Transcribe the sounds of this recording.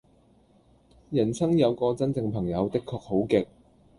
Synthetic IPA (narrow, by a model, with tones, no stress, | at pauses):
jɐ˨˩nsɐ˥ŋjɐ˨˧wkɔː˧t͡sɐ˥nt͡sɪ˧ŋpʰɐ˨˩ŋjɐ˨˧wt̪ɪ˥kʰːɔː˧k̚ho˨˥wkɪ˨k̚